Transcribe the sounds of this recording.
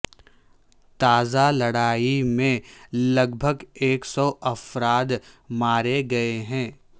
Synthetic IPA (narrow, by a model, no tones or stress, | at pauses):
t̪aːzalɐɽaːimẽlɐɡbʱəɡeːksɔʔɐfɾaːd̪maːɾeɡɐeɦɛ̃ː